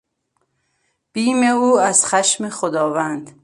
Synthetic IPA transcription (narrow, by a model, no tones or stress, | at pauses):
b̥iːmeuːæz̥xæʃmexod̪ɒːvænd̪̥